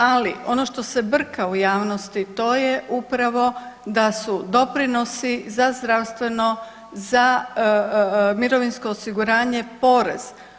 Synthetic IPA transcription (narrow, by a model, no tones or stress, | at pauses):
aliʔo̞no̞ʃt̪o̞se̞br̩kaujaːʋno̞st̪it̪o̞ːjeʔupɾaʋo̞d̪asud̪o̞pɾino̞sizazd̪ɾaʋst̪ʋe̞no̞ | za | miɾo̞ʋinsko̞ːsiɡuɾaːɲe̞po̞ɾḛz̥